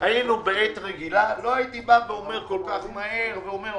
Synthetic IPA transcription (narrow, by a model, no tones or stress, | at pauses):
ajinubeɛt̪ʁeɡilaloajit̪ibabeomeʁkolkaχmajeʁbeome